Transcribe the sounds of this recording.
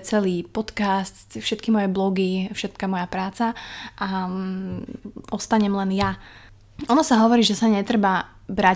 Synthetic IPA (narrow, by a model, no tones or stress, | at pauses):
t͡sɛliːpɔt̪kastt̪fʃɛt̪kimɔjɛblɔɡifʃɛt̪̚kamɔjapɾaːt͡saʔa | ɔst̪aɲɛmlɛnja | ɔnɔsaɦɔʋɔɾiːʒɛsaɲɛt̪ɾɛba | bɾa